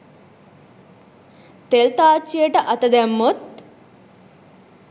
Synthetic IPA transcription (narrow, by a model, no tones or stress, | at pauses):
t̪elt̪aːt͡ʃːijəʈəʔɐt̪ɐd̪æmːot̪̚